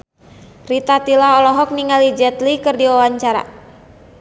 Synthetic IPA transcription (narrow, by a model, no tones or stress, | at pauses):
rit̪at̪ilaɔlɔɦɔk̚niŋalid͡ʒɛt̪likɨrdiwawaɲt͡ʃaɾa̰